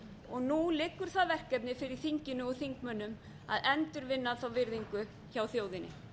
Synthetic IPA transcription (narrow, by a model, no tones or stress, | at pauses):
ɔɣnulɪːkːʏɾ̥θaðvɛr̥kɛpnɪfɪɾɪɾ̥θiɲcɪnʏɔθiŋkmœnːʏm | a̰ðɛnt̪ʏɾvɪnːaθawvɪɾðiŋkʏ | çawθjoːwðɪnːɪ̰